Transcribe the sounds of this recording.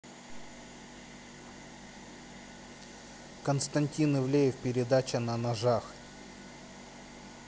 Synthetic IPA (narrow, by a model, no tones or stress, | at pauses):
kənst̪ɐnʲtʲinɨvlʲejɪfpʲɪɾʲɪd̪at͡ɕənɐnɐʐax